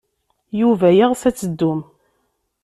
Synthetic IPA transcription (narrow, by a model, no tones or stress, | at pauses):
juvæjiʁθæt͡sːəd̪ːʊm